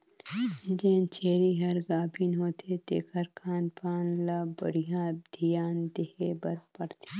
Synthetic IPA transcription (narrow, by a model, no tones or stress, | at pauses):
d͡ʒẽːnt͡ʃʰeːɾiɦɐɾɡaːbʱinɦoːt̪ʰet̪ḛːkʰɐɾkʰaːnpaːnlabɐ̰ɽijãd̪ʱijaːnd̪eheːbɐɾpɐɽt̪ʰe̥